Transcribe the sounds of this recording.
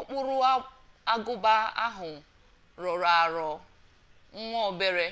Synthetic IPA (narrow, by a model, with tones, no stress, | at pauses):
o˦k͡pʊ˦ɾʊ˦ | a˦ɡʊ˦ba˦a̰˦ɦʊ˨ | ɾɔ˨ɾa˨ɾɔ˨ | ŋ̩˦ŋʷɔ˦o˨˦be˦ɾe˦